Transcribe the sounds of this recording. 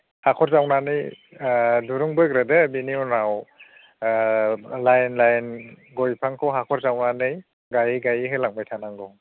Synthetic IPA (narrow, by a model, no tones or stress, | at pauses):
hakʰɔɾzawnanɯj | duɾuŋbɯjɡɾadebiniunaw | lajnlajnɡɔjpʰaŋkʰɔwɦakʰɔɾzawnanɯj | ɡajiɡajiɦɯjlaŋbajtʰanaŋɡɔ